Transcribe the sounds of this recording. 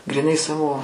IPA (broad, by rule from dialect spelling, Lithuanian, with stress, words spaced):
ɡrʲiːˈnɐɪ ˈsɑːʋoː